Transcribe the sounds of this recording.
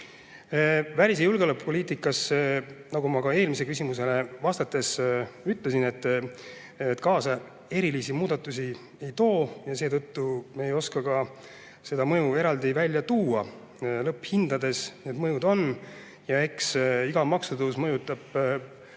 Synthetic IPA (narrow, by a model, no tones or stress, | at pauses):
vælʲis̬ejulɡelɤpːpo̞lʲiːt̪ˑikːˑɑsnɑɡumɑkɑe̞ːlmis̬e̞kysʲimuse̞le̞vɑst̪ɑt̪ːˑe̞syt̪ˑle̞sine̞t̪ːˑ | et̪ːˑkɑːsɑ | e̞ɾilisimuːd̪̥ɑt̪ːˑusʲi | e̞jt̪o̞ːjɑse̞ːd̪ɤt̪ːumeejo̞skɑkɑ | se̞d̪̥ɑmɤjue̞ɾɑld̪̥ivælʲːjɑt̪uːɑ | lɤpːˑhind̪̥ɑd̪e̞sned̪mɤjud̪o̞n | jɑe̞ksiɡ̥ɑmɑksud̪usmɤjut̪ˑːɑb̥